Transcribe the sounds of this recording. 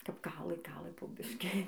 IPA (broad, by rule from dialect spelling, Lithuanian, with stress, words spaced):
kɐp ˈkɑːlˠɘ ˈkɑːlˠɘ poː ˈbʲɪʃʲkʲɪ